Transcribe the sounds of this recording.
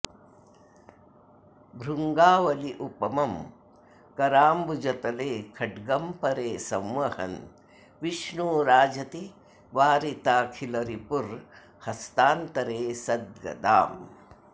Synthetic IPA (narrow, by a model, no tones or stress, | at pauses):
bʱɾuŋɡaːʋɐliʔupɐmɐm | kɐɾaːmbud͡ʒɐt̪ɐleːkʰɐɖɡɐmpɐɾeːsɐmʋɐhɐ̰n | ʋiʃɳuːɾaːd͡ʒɐt̪i | ʋaːɾit̪aːkʰilɐɾipuɾ | hɐst̪aːnt̪ɐɾeːsɐd̪̚ɡɐ̰d̪a̰ːm